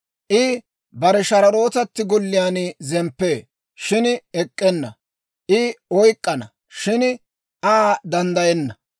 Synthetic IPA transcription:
ʔɪ | bɐɾɛʃɐɾɐɾo̞ːt̪ɐt̪ːɪɡɔlːɪjaːnɪzɛmpːeː | ʃɪnɛkʼːɛnːɐ̰ | ʔɪɔjkʼːɐnɐ̰ | ʃɪn | ʔaːd̪ɐnd̪ɐjɛnːɐ

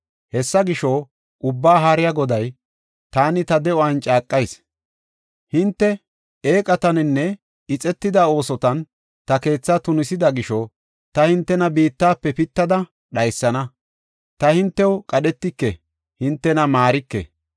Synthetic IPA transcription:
hɛsːɐɡɪʃo | ʔʊbːaːɦaːɾɪjaɡɔd̪ɐj | t̪aːnɪt̪ɐd̪ɛɔɐnt͡ʃʼaːkʼːɐjs | hɪnt̪ːɛ | eːkʼɐt̪ɐnɪnːɛ | ɪt͡sʼɛt̪ːɪd̪ɐo̞ːsɔt̪ɐn | t̪ɐke̞ːt͡sːat̪ʊnɪsɪd̪ɐɡɪʃɔ | t̪ɐhɪnt̪ːɛnɐbiːt̪ːaːpːɛpɪt̪ːɐd̪ɐ | ɗɐjsːɐnɐ | t̪ɐhɪnt̪ːɛwkʼɐɗɛt̪ːɪkːɛ̰ | hɪnt̪ːɛnɐmaːɾɪkːɛ̰

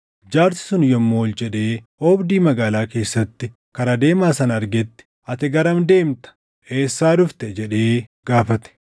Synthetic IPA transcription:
d͡ʒaːɾsɪ̥sʊnjɔmːoːld͡ʒɛᶑe̞ː | oːbd̪iːmɐɡaːlaːke̞ːsːɐt̪ːɪ | kɐɾɐd̪e̞ːmaːsɐnɐɾɡɛt̪ːɪ̥ʔɐt̪ɛɡɐɾɐmd̪e̞ːmt̪ɐ̥ | eːsːaːd̪ʊft̪ɛd͡ʒɛᶑe̞ːɡ̥aːfɐt̪ɛ̥

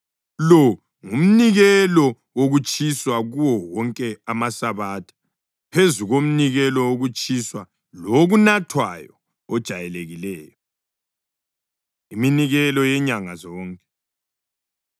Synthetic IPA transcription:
lɔ | ŋum̩niɣɛlɔ | woɣut͡ʃʰʼiswaɣuwɔwɔŋkʼɛamasaβatʰḁ | pʰezuɣom̩niɣɛlɔwoɣut͡ʃʼiswa | loɣunatʰwa̰jɔ̰ː | d̥ʒ̥ʱajɛleɣilɛːjɔ | iminiɣɛlɔjɛɲaŋazɔːŋkʼɛ̥

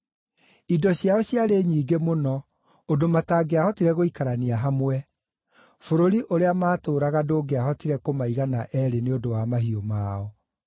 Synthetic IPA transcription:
idɔɕjaɔɕiaɾeɲiːɡemonɔ | ondomataːɡeahɔtiɾɛɣoikaɾaniaɦamwɛ | foɾoɾiʔoɾeamaːtoːɾaɣadoːɡeahɔtiɾɛkomaiɣanaʔɛɾeneodowamaɦiomaːɔ

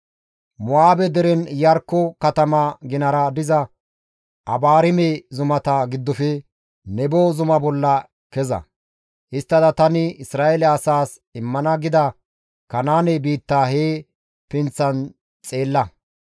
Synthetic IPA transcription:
mʊaːbɛd̪ɛɾɛnjɐɾkːɔkɐt̪ɐmɐɡɪnɐɾɐd̪ɪzɐ | ʔɐbaːɾɪmezʊmɐt̪ɐɡɪd̪ːɔfɛ | nɛboːzʊmɐbɔlːɐ | kɛzɐ̰ | ʔɪst̪ːɐd̪ɐt̪ɐnɪɪsɾaːʔɛlɛɐsaːs | ɪmːɐnɐɡɪd̪ɐ | kɐnaːnɛbiːt̪ːaːheː | pɪnt͡sːɐn | t͡sʼe̞ːlːɐ

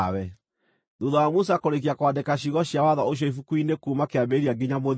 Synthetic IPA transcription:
wɛ | ðuðawamusakoɾek̬iakwadekaɕiɣɔɕiawaðɔoʃ̬jɔifukuinekuːmakeabeɾiaɡiɲamo

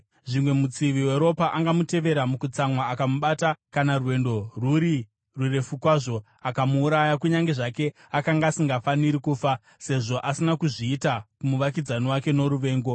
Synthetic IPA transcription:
ʐimwe̞mut͡siʋiwe̞ɾo̞paʔaŋɡamute̞ʋe̞ɾamukut͡samwaːkamuɓatakanarwe̞ndo̞ruɾi | rure̞fukwaʐo | akamuːɾajakuɲaŋɡe̞ʐake̞ | akaŋɡaːsiŋɡafaniɾikuːfa | se̞ʐo̞ʔasinakuʐiːtakumuʋakid͡zanowake̞no̞ɾuʋe̞ːŋɡo̞

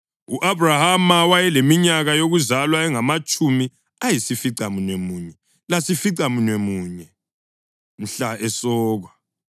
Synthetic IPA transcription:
uʔabrahamawajɛlemiɲaɣajoɣuzalwaɛŋamat͡ʃʼumi | ajisifiǀamunwemuːɲɛ | lasifiǀamunwemuːɲɛ | m̩ɬaɛsɔːɣwa

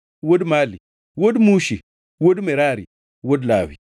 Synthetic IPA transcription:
wodmaːli | wodmuʃi | wodmeɾaɾḭ | wodla̰ːwḭ

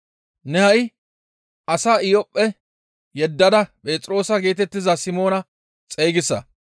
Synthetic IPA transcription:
nɛhɐj | ʔɐsaːɪjɔpʼːɛ | jɛd̪ːɐd̪ɐpʼe̞ːt͡sʼɾo̞ːsɐɡe̞ːt̪ɛt̪ːɪzɐsɪmo̞ːnɐ | t͡sʼejɡɪsːɐ

